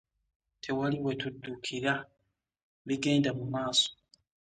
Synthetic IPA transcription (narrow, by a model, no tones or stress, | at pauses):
tʰe̞waliwe̞tudːukʰiɾa | βiɡe̞ːndamumaːso̥